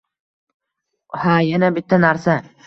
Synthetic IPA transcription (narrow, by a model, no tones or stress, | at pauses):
hajanabɪt̪ʰːanaɾsa